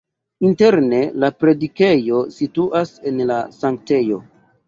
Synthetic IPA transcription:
inte̞ɾne̞lapɾe̞dike̞jo̞situʔase̞nlasaŋkte̞jo̞̰

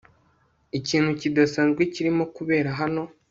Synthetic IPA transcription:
iciːn̥hucidasaːnzɡwiciɾimo̞kuβe̞ːɾaɦano̞

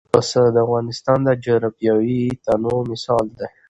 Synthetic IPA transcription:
pəsəd̪əavɣɑnɪst̪ɑnd̪əd͡ʒəɾapjɑwit̪anomɪsɑld̪e

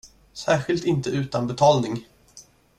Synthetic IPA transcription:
sæːɾɧɪlt̪ɪnt̪əʉ̟ːt̪anbɛt̪ʰɑːlnɪŋ

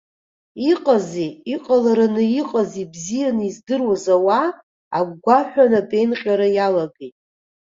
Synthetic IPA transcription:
iqʼaziːqʼalaɾanɨiqʼazibzijanɨizdɨrwazawaː | ɡɡʷaħʷᶣanatʼe̞jnqʲʼaɾajalaɡejtʼ

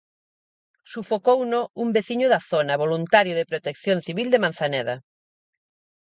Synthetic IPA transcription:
sufokownoumbeθiɲʊðaθonɐβolunt̪aɾjʊðepɾot̪ekθjonθiβild̪emãn̟θanɛðɐ

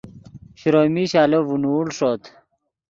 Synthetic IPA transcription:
ɕɾoːmiɕaːlovunuːlʂoːt̪ʰ

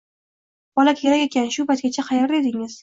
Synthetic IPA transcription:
b̥ɒlakʲʰe̞ɾakʲe̞kʲʰanʃʊpat̪̚ɡʲat͡ʃʰaqʰɑjaɾd̪e̞d̪ɪŋɪz̥

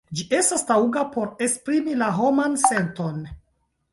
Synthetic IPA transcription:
d͡ʒiʔe̞stastauɡapo̞ɾe̞spɾimilaɦo̞manse̞nto̞n

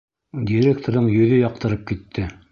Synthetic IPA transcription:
dʲiɾʲekt̪oɾðɤɴjɵ̆ðɵjɑq̚t̪ɤ̆ɾɤp̚kit̪ʰːɘ

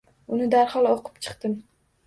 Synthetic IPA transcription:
ʊnɪd̪aɾhɒlˠoqʰɨ̥pt͡ʃʰɨ̥qt̪ɪm

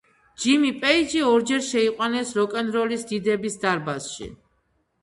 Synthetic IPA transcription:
d͡ʒimipʼɛid͡ʒiɔɾd͡ʒɛɾʃɛiqʼwanɛsɾɔkʼɛnɾɔlisd̪id̪ɛbisd̪aɾbasʃḭ

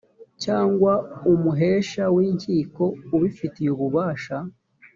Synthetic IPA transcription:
caːŋɡwaumuɦeːʃawiːɲciːko̞uβifitijuβuβaːʃa

